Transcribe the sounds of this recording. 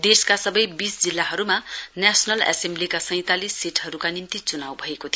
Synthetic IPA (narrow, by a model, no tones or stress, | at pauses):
d̪eskasʌbʌjbisd͡zilːaɦʌɾumanesnʌlḛsemblikasʌ̃j̃t̪alisːiʈɦʌɾukanimt̪it͡sunawbʱʌekot̪ʰij